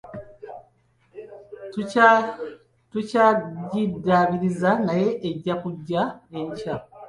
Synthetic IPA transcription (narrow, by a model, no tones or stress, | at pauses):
tucaɟidaβiɾizanaje̞ʔeɟːakuɟːae̞ɲca